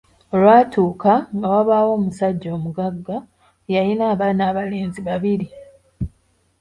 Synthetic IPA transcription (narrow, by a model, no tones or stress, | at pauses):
olwaːtuːkaŋɡawaβaːwo̞ːmusaɟːo̞ːmuɡaɡːa | jajinaːβaːnaːβaleːnziβaβiɾi